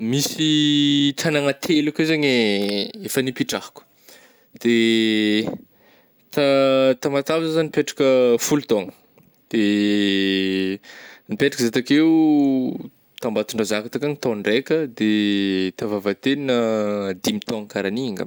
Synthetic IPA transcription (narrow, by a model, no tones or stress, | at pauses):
misiʈ͡ʂanaŋat̪ʰelakewzaɲeefənipiʈ͡ʂahku̥ | d̪̥e | t̪at̪amat̪avzazanipeʈ͡ʂḁkəfulut̪oŋə̥ | d̪̥e | nipeʈ͡ʂḁkəzat̪akew | t̪ambat̪uɳɖ͡ʐazakat̪akanit̪oɳɖ͡ʐekəd̪et̪avavət̪eninəd̪imit̪oŋkaɾaniŋɡa̰